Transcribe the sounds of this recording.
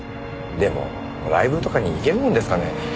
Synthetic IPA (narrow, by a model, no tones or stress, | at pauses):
d̪e̞mo̰ | ɾaibɯ̟t̪o̞kaɲ̟iːke̞ɾɯ̟mõ̞nd̪e̞sɨ̥kane̞